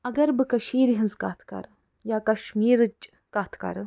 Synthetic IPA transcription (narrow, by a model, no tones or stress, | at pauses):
ɐɡɐɾbɨkɐʃiːɾɦɐnzkaːt̪ʰkɐ̰ɾ | jaːkɐʃmiːɾɨt͡ʃ | kaːt̪ʰkɐ̰ɾ